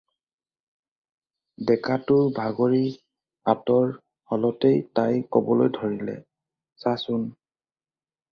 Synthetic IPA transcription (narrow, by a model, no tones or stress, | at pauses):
dɛkatʊbʱaɡoɹi | atɔɹ | hɔlɔtejtajkɔbɔlojdʱɔɹilɛ̰ | sasʊn